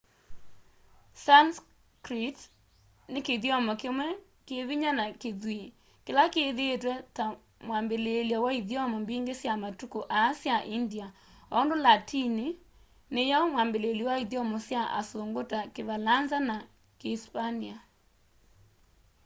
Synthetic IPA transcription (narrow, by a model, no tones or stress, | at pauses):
sans | kɾit | nekeðjɔmɔkemwɛ | keðiɲanakeðwe | kelakeðetwɛta | mwambeleliawaiðjɔmɔmbiːŋɡesjamatukoʔaːsjaʔindia | ɔndolatʰini | nejamwambeleliwaiðjɔmɔsjaʔa̰soŋɡotakevalanzana | keispania